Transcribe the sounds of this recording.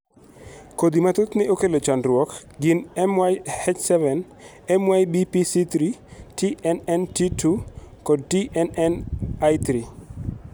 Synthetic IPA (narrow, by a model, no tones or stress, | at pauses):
kod̪imat̪ʊt̪nɛokelot͡ʃanɾwɔk | ɡɪnɛmwajhet͡ʃsɛvɛn | ɛmwajbipisit̪ɾitiʔɛnɛntitʰukɔd̚tiʔɛnɛnajt̪ɾi